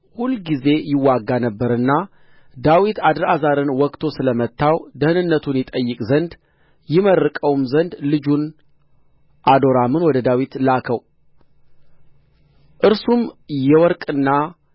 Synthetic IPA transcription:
hulːɡize̞jɪwːaɡːanəbːəɾɨnːa | d̪awit̪ad̪ɨɾazaɾɨnwɔkʼt̪ʰo̞sɨləmət̪ːawd̪əhɨnɨnːət̪ʰunjɪt̪ʼəjːɨkʼzənd̪ | jɪmərːɨkʼəwmzənd̪lɨd͡ʒun | ʔad̪o̞ɾamɨnwɔd̪əd̪awit̪lakʰəw | ʔɨɾsumjɛwɔɾkʼɨnːa

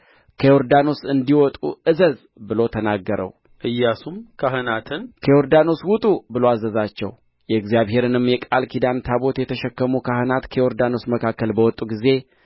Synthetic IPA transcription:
kʰəoɾd̪ano̞sɨnd̪iwɔt̪ʼṵʔɨzəz | bɨlo̞t̪ʰənaɡːəɾə̰w | ʔɨjːasumkʰaɦɨnat̪ʰɨnkʰejoɾd̪ano̞swʊt̪ʼubɨloazəzat͡ʃːɛ̰w | jɛɨɡzjaβhe̞ɾɨnɨmːjɛkʼalkʰid̪ant̪ʰaβo̞t̪jɛt̪ʰəʃɛkːəmukʰahɨnat̪kʰəjoɾd̪ano̞sməkʰakːəlbəwɔt̪ʼːuɡize̞

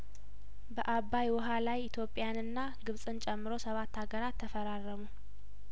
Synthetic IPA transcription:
bəʔaβːajwɔɦalajɪt̪ʰjo̞pʼɪjanɨnːa | ɡɨβsʼɨnt͡ʃʼɛmːɨɾo̞səβat̪ːaɡəɾat̪ʰːəfəɾarːəmu

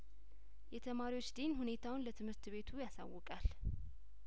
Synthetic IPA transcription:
jɛt̪ʰəmaɾiwo̞t͡ʃːd̪enhune̞t̪ʰawʊnlət̪ʰɨmɨɾt̪βe̞t̪ʰujasa̰wːɔkʼal

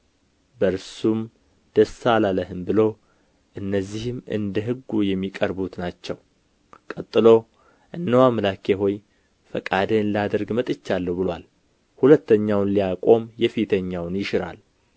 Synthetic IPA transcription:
bəɾsum | d̪̥əsalaləɦɨmbɨlo̞ | ʔɨnːəzːihɨmɨ̰nd̪əɦɨɡːujɛmːikʼəɾbut̪nat͡ʃːɛw | kʼət̪ʼːɨlo̞ | ʔɨnːəwamlakʰeɦo̞j | fəkʼad̪əɨnlad̪əɾɡmət̪ʼɨt͡ʃːalːəwbɨlwal | hulət̪ʰːəɲːawnlijakʼo̞mjɛfit̪ʰəɲːawnjɪʃɪɾa̰l

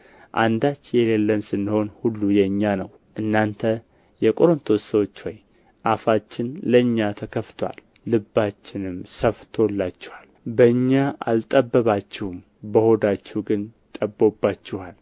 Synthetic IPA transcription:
ʔa̰nd̪at͡ʃːjɛlelːəmsɨnːɨho̞nhulːujɛɨɲːanəw | ʔɨnːant̪ʰə | jɛkʼoɾont̪ʰosəwo̞t͡ʃːwoj | ʔafat͡ʃːɪnləɨɲːat̪ʰəkʰəft̪ʰoa̰lː | ɨbːat͡ʃːɪnɨmsəft̪ʰo̞lːat͡ʃːɪ̥hal | bəɨɲːaʔa̰lt̪ʼəbːəβat͡ʃːɛhm | bəho̞d̪at͡ʃːɛwɡɨnt̪ʼəbːobːat͡ʃːɪhal

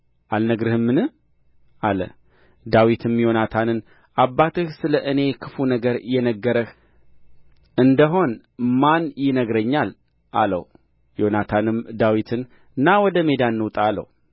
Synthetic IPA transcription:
ʔalnəɡɾɨhɨmːɨnɨ | alə̰ | d̪awit̪ʰɨmjo̞nat̪ʰanɨn | ʔabːat̪ɨhsɨləʔɨne̞kʰɨfunəɡəɾjɛnəɡːəɾəh | ʔɨnd̪əɦo̞n | manjɪnəɡɾəɲːal | ʔa̰lə̰w | jo̞nat̪ʰanɨmd̪awit̪ʰɨn | ɨnːawɔd̪əme̞d̪anːɨwt̪ʼalə̰w

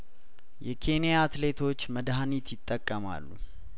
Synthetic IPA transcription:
jɛkʰe̞nijaːt̪le̞t̪ʰo̞t͡ʃːməd̪ɦanit̪jɪt̪ʼːəkʼːəma̰lːu

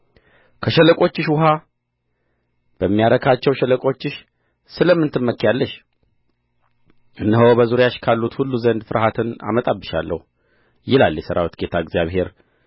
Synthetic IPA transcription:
kʰəʃɛləkʼo̞t͡ʃːɪʃwʊɦa | b̥əmːijaɾəkʰat͡ʃːɛwʃɛləkʼo̞t͡ʃːɪʃ | sɨləmːɨnt̪ʰɨmːəkːjalːəʃ | ʔɨnːəɦobəzuɾjaʃkʰalːut̪hulːuzənd̪fɨɾʔhat̪ʰɨna̰mət̪ʼabːɨʃa̰lːə̰hu | jɪlaljɛsəɾa̰wit̪ɡe̞t̪ʰaɨɡzjaβhe̞ɾ

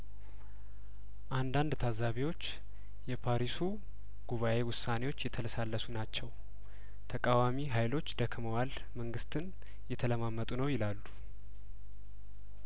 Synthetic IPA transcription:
ʔand̪and̪t̪ʰazaβiwo̞t͡ʃː | jɛpʰaɾisu | ɡ̥uβaʔe̞wʊsːane̞wo̞t͡ʃːjɛt̪ʰələsalːəsunat͡ʃːɛw | t̪ʰəkʼawamiɦajlo̞t͡ʃːd̪əkʰməwal | məŋɡɨst̪ʰɨn | jɛt̪ʰələmamːət̪ʼunəwjɪlalːu

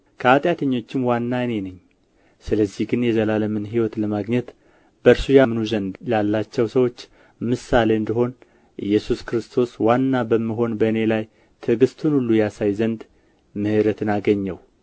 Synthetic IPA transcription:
kʰəat̪ʼjat̪ʰəɲːo̞t͡ʃːɪmwanːaɨne̞nɨɲː | sɨləzːihɡɨnjɛzəlaləmɨnɦiwɔt̪ləmaɡɲɛt̪ | bəɾsujamnuzənd̪lalːat͡ʃːɛwsəwo̞t͡ʃː | mɨsale̞ɨnd̪iɦo̞n | ʔɨ̰jːɛsuskɾɨst̪ʰo̞swanːabəmːiɦo̞nbəɨne̞laj | t̪ʰɨɡɨst̪ʰunulːujasajzənd̪ | mɨhɨɾət̪ʰɨnaɡəɲːɛw

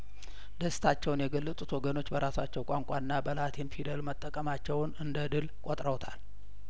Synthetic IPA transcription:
d̪əst̪ʰat͡ʃːɛwnjɛɡəlːət̪ʼut̪ʰwɔɡəno̞t͡ʃːbəɾasat͡ʃːɛwkʼaŋkʷʼaɨnːabəlat̪ʰenfid̪əlmət̪ʼːəkʼːəmat͡ʃːɛwnɨnd̪əd̪ɨlkʼot̪ʼɾəwt̪ʰal

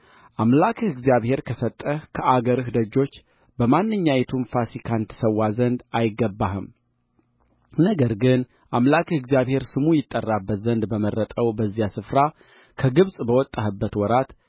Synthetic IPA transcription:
ʔamlakʰɨɡzijaβhe̞ɾkʰəsət̪ʼːəhkʰəʔaɡəɾɨhd̪əd͡ʒːo̞t͡ʃː | bəmanːɨɲːajɛt̪ʰunfasikʰant̪ʰsəwːazənd̪ajɪɡːəbːaɦɨm | nəɡəɾɡɨn | ʔamlakʰɨɡzjaβhe̞ɾsɨmujɪt̪ʼːərːabːət̪zənd̪bəmərːət̪ʼəwbəzːijasɨfɾa | kʰəɡɨβsʼbəwɔt̪ʼːaɦɨbːət̪wɔɾat̪

